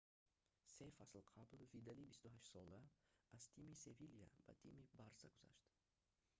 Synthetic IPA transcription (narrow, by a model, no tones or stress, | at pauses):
se̞jfaslqʰablvid̪alibist̪uɦaʃsɔlaazt̪ʰimise̞vilija̰va̰t̪ʰimibaɾsaɡuz̥a̰ʃt̪